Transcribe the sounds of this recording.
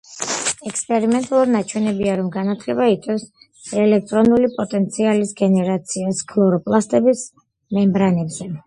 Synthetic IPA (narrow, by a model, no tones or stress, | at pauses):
ɛkspʼɛɾimɛnt̪ʼalˠuɾinat͡ʃʰwɛnɛbiaɾɔmɡanat̪ʰlɛbait̪sʼɛs | ɛlɛk̚t̪ʼɾɔnulipʼɔt̪ʼɛnt̪sʰialisɡɛnɛɾat̪sʰiaskʰlˠɔɾɔpʼlˠast̪ʼɛbis | mɛmbɾanɛbzɛ